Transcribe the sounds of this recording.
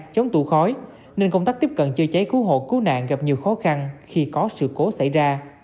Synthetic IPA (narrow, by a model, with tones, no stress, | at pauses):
t͡ɕə˨˦wŋ͡mt̪ṵ˧˩xɔ˨˦j | ne˧nkə˧wŋ͡mt̪aː˦˥t̪i˦˥p̚kə̰˧˨nt͡ɕɨ˧t͡ɕə˨˦jku˨˦ɦo̰˧˨ku˨˦na̰ː˧˨ŋɣa˨˩p̚ɲi˨˩əwxɔ˨˦xa˧nxi˧kɔ˨˦sɨ̰˧˨ko˨˦sa̰˧˩jzaː˧